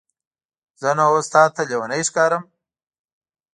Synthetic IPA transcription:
zənaost̪ɑːt̪ʰːalewɐnəjʂkɑːɾəm

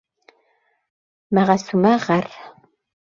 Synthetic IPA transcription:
mɐʁɐsumɐʁɐr

